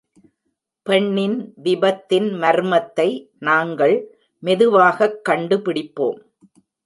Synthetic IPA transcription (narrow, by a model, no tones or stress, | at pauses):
pɛɳːɪnʋɪbɐt̪ːɪnmɐɾmɐt̪ːɐɪ | naːŋɡɐɭ | mɛðɯʋaːɣɐkːɐɳɖɯpɪɽɪpːo̰ːm